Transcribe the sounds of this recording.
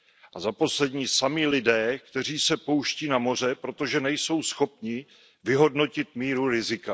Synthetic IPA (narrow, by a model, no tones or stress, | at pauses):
ʔazapo̞slɛdɲiːsamilɪdɛːkt̪ɛr̝iːsɛpo̞wʃciːnamo̞r̝ɛpɾo̞t̪o̞ʒɛnɛjso̞wsxo̞pɲɪ | vɪɦo̞dno̞cɪt̪miːɾuɾɪzɪka